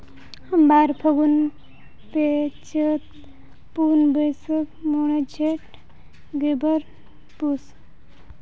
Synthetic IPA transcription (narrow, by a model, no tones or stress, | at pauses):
həmbaɾpʰəɡun | pet͡ʃʰət̪ | punbəjsəkmoɽ̃ed͡ʒʱeʈ | ɡebəɾ | pus